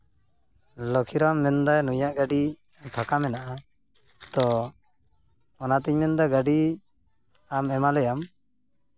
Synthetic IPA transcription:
lɔkʰiɾamːɛnd̪ajnujaʔɡaɖi | t̪ʰakamɛnaʔa | t̪ɔ | ɔnat̪iɲmɛnd̪aɡaɖi | amɛmalɛjam

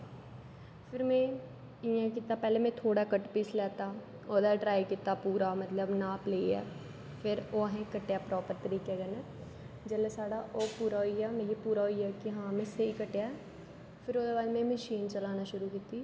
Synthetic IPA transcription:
pʰɪɾmɛ̃ː | ɪjãːkiːt̪aːpɛːlẽːmɛ̃ːt̪ʰoːɽaːkəʈpɪːslɛːt̪aː | oːd̪aːʈɾaːikiːt̪aːpuːɾaːmət̪ləbnãːpleːɛ̰ː | pʰɪɾoːɦẽːkəʈːjaːpɾɔːpəɾt̪əɾiːkɛːɡənɛː | d͡ʒəleːsaːɽaːʔoːpuːɾaːɦoiːaːmɛ̃ːjeːpuːɾaːɦoiːɛːkɪɦãːmɛ̃ːseiːkəʈːejaːɛː | pʰɪɾoːd̪eːbaːd̪mɛ̃ːməʃiːnt͡ʃəlaːnaːʃʊɾuːkiːt̪iː

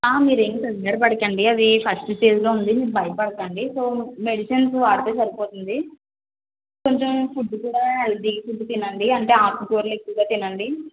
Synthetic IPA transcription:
aːmiːɾeŋɡisɐnɡɐːɽɐp̬ɐɽɐkɐɳɖiɐd̪ipʰɐsʈsʈeːd͡ʒloːund̪imiːɾubʱɐjɐpɐɽɐkɐɳɖisoːme̞ɽiʃɐnsʋaːɽut̪eːsɐɾipoːt̪und̪i | ko̞ɲt͡ʃempʰuɖːukuːɽaːelɖikipʰuɖːut̪inːɐɳɖiɐɳʈe̞ːaːpukoːɾle̞kːuʋːɡaːt̪inːɐɳɖi

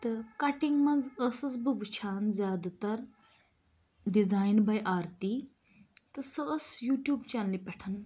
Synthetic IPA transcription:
t̪ɨkɐʈiŋɡmɐ̃nd͡zəsɐsbɨʋt͡ʃʰaːnzjaːd̪at̪ɐɾ | ɖizaːjnbɐjʔaːɾt̪i | t̪ɨsəəsjuːʈjuːbt͡ʃaːnlipɛʈʰɐn

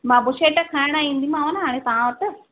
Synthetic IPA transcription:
mãːbʊʃeːʈɐkʰaːɽ̃aːĩnd̪imãːʋɐnɦaːɽ̃ẽt̪ɐʋãʋɐʈːɨ

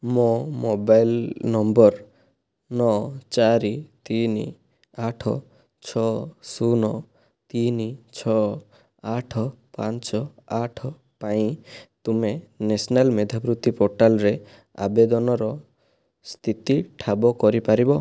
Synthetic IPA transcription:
momobajlnɔmbɔɾ | nɔt͡ʃaɾit̪ini | aʈʰɔ | t͡ʃʰɔsunɔ | t̪init͡ʃʰɔ | aʈʰɔpant͡ʃɔaʈʰɔ | paĩt̪umenesɔnalmed̪ʱapɾut̪ipoɾʈalɔɾe | a̰bed̪ɔnɔɾɔ | st̪ʰit̪iʈʰabɔkɔɾipaɾibɔ

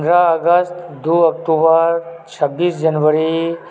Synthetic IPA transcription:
nɾaəɡəst̪d̪uːɐkʈubəɾt͡ʃʰəbːiːsd͡ʒənʋəɾi

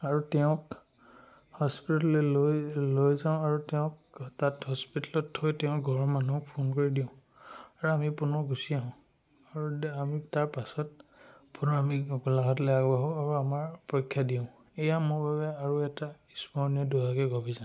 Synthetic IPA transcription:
aɹutɛʊ̃k | hɔspitalɛlojlojzaʊ̃aɹutɛʊ̃k̚ | tathɔspitalɔthojtɛʊ̃ɡʱɔɹmanuk̚pʰonkoɹidiʊ̃ | aɹuamipunɔɡʱusiaɦʊ̃ | aɹuamitaɹpasɔt̚punɔɹamiɡulaɡʱɔtlɛjakɔbaɦɔaɹuamaɹpɔjkʰːjadiʊ̃ | ejamʊɹbabɛaɹuɛtaispɔniɔduakɛɡobizã

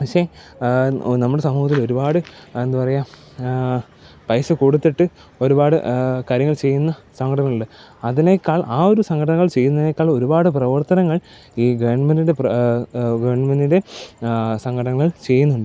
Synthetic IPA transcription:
pɐkɕe | nɐmːuɽe̞sɐmːuːɦɐt̪ːilo̞ɾubaːɽɨe̞nd̪upɐrɐja | pɐjsɐkuːɽut̪ːiʈːɨ | o̞ɾubaːɽɨ̰kaːɾjɐŋːɐɭt͡ɕe̞jːunːɐsɐŋɡɐʈɐnɐŋːɭuɭɖɨ | ɐðinekːaːɭʔaːo̞ɾusɐŋɡʰʱɐʈɐnɐŋːɐɭt͡ɕe̞jːunːɐðinekːaːɭo̞ɾubaːɽɨprɐʋɐrt̪ɐnɐŋːɐɭ | iːɡeɳmɐnidep | ɡɐʋɳmɐnide̞ | sɐŋɡʰʱɐʈɐnɐŋːɐɭt͡ɕe̞jːunːuɳɖɨ

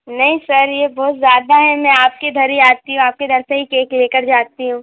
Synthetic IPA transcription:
nɐɦĩsɐɾjeːbɔːt̪zjaːd̪aɦɛmɛ̃aːp̚ked̪ʱɐɾiaːt̪iɦũaːp̚ked̪ʱɐɾseɦikeːkleːkəɾd͡ʒaːt̪iɦũː

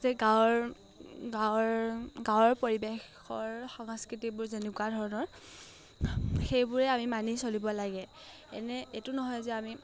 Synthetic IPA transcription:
zɛɡaɹ | ɡaɹɡawɔɹpoɹibex | ɔɹxɔŋskɹitibʊɹzenukuwadʱɔɹɔnɔɹ | xejbʊɹɛamimanisolibɔlaɡɛ | ɛ̰nɛetunɔɦɔjzɛami

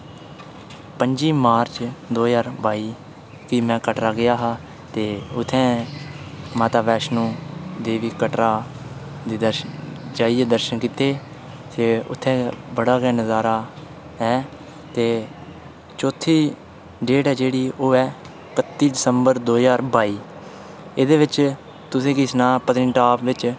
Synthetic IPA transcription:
pəɲd͡ʒiːmaːɾt͡ʃd̪oːjaːɾbaːiː | kɪmɛ̃ːkəʈɾaːɡɪjaːɦaː | t̪eːʊt̪ʰːɛ̃ː | maːt̪aːʋɛːʃnũːd̪eːʋiːkəʈɾaː | d̪iːd̪əɾʃd͡ʒaːiɛːd̪əɾʃənkiːt̪eː | seːʊ̰t̪ʰːɛ̃ːbəɽaːɡɛːnəzaːɾaː | ɛː | t̪eː | t͡ʃoːt̪ʰːiː | ɖeːʈɦɛːd͡ʒeːɽiːoːɛː | kət̪ːiːɖɪsəmbəɾd̪oːzaːɾbaːiː | ed̪eːʋɪt͡ʃ | t̪ʊsẽːkiːsnaːpət̪ɪɳʈaːpʋɪt͡ʃ

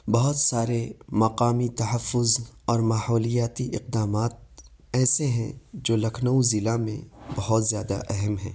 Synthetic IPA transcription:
bɐɦʊt̪saːɾemɐqaːmit̪ɐɦəfːʊzɔːɾmaːhɔːlijaːt̪iʔɪq̚d̪aːmaːt̪̚ | ɛːseɦɛ̰̃d͡ʒoːlɐkʰnəuzɪlamḛ̃bɐɦʊt̪zjaːd̪a̰ʔɛɦɛmɦɛ̃ː

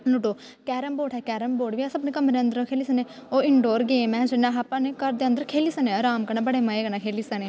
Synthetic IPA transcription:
luʈoː | kɛːɾəmboːʈɛːkɛːɾəmboːʈʋiːasəbneːkəmɾeə̃nd̪əɾokʰeːliːsəneːoːɪɳɖoːɾɡeːmɛ̃ːd͡ʒɪnãːɦaːpãːneːkəɾd̪eːə̃nd̪əɾkʰeːliːsəneɾaːmkənabəɽeːməeːɡənaːkʰeːliːsəneː

